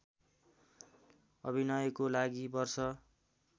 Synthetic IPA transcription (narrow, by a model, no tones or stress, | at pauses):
ʌ̰bʱinʌjʌkolaɡibʌrsʌ